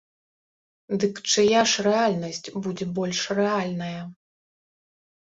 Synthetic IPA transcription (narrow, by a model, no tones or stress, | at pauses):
d̪ɨkt͡ʂɨjaʂrɛalʲnɐsʲt͡sʲbud͡zʲɛbɔlʲʂrɛalʲnɐjɐ